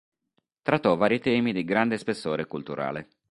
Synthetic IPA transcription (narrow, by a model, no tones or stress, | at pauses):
t̪ɾat̪ːɔvaːɾit̪ɛːmid̪iɡɾand̪espesːoːɾekult̪uɾa̰ːle